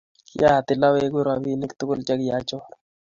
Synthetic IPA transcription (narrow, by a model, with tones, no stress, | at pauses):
kɪ̰˦a˦˨t̪ɪ˨la˦we˦ɡʊ˦ɾabi˦nɪ˦kt̪ʊ˦kʊ˦lt͡ʃa˦kja˨˦t͡ʃɔ˦ɾ